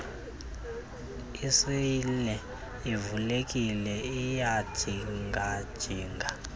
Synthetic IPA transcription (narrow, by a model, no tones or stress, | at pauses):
isilɛ | ivulek̬ʼilɛijad̥ʒ̥ʱiŋɡʱad̥ʒ̥ʱiːŋɡʱa